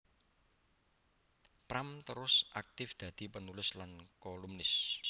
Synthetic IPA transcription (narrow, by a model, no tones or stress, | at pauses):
pɾamt̪əɾʊsʔak̚t̪ɪfd̪̥ä̤d̪̥i̤pənulɪslankɔlumnɪs